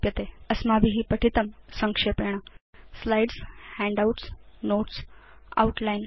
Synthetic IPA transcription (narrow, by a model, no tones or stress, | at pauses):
pjət̪eəsmabʱiɦiːpəʈʰit̪əmsəŋkʂepeɳ̃aslajɖshæ̃ɳɖauʈsnoʈs | a̰uʈlajn